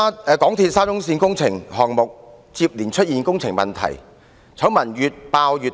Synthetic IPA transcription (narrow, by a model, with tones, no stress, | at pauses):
ɛː˧kɔː˨˥ŋt̪ʰiː˧t̚saː˥t͡sʊ˥ŋsiː˧nkʊ˥ŋt͡sʰɪ˨˩ŋɦɔː˨ŋmʊ˨k̚ | t͡siː˧p̚liː˨˩nt͡ʃʰɵ˥t̚jiː˨˩nkʊ˥ŋt͡sʰɪ˨˩ŋmɐ˨˩nt̪ʰɐ̰˨˩j | t͡sʰɐ˨˥wmɐ˨˩njyː˨t̚paː˧wjyː˨t